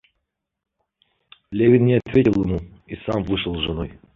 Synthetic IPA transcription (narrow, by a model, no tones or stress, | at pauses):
lʲevʲɪnːʲɪɐt̪vʲetʲɪlˠjɪmuisamvɨʂɨəlˠʐɨno̞j